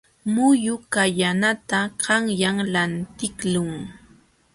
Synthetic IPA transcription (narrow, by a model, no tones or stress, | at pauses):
mʊjʊkajanat̪aɢɑŋjaŋlant̪ɪklʊŋ